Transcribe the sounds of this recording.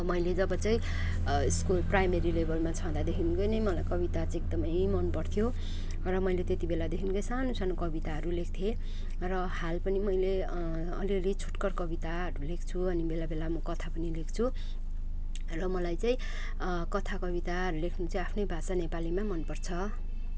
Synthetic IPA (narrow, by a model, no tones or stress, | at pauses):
mʌjled͡zʌbʌt͡sʌĩ | eskoprajmeɾilebʌlmat͡sʰʌ̃d̪ad̪ekʰinkʌjnʌjmʌlajkʌbit̪at͡sãek̚d̪ʌmʌjmʌnpʌrt̪ʰjo | rʌmʌjlet̪et̪ibelad̪ekʰinkʌjsanosanokʌbit̪aɦʌɾulek̚ʰt̪ʰje | rʌhalpʌnimʌjle | ʌliʌlit͡sʰu̥ʈkʌrkʌbit̪aʌɾulekʰt͡sʰuʌnibelabelamʌkʌt̪ʰapʌnilekʰt͡sʰu | rʌmʌlajt͡sʌ̃ĩ | kʌt̪ʰakʌbit̪aɦʌɾulekʰnut͡sʌ̃apʰnʌjbʱasanepalimamʌnpʌrt͡sʰʌ